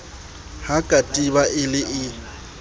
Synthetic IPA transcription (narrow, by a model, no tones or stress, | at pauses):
hakʼatʼibaʔɪlɪʔɪ